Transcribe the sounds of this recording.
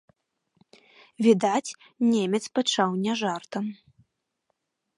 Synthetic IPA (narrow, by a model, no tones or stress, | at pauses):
vʲid̪at͡sʲ | nʲemʲɛt̪spat͡ʂawnʲɛʐart̪ɐm